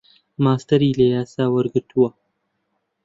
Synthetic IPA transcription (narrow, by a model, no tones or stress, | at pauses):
maːst̪ɐɾilɐjaːsaːwɐɾɡət̪ʰuwa